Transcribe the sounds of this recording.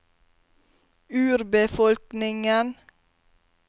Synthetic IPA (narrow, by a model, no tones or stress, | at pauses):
ʉːɾbəfɔlknɪŋən